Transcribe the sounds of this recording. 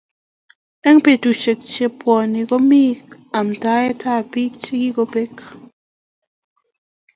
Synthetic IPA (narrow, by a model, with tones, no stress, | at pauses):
ɛ˦ŋpe˨tu˨t͡ʃe˨k̚t͡ʃe˦pwɔ˨ni˨ɡɔ˦mi˦k | a˨mta˦ɛ˦tʰa˦˨pi˦k̚t͡ʃe˦ɡi˦ɡɔ˦pe˦k